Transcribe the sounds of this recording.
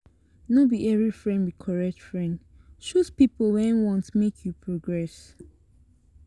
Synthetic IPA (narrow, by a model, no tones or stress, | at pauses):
nobiʔɛvɹifɹɛ̃ndwikʰɔɹɛk̚tfɹɛ̃nd | ʃutpiplwɛ̃nwɔ̃ntmekʰjupʰɹoɡɹɛs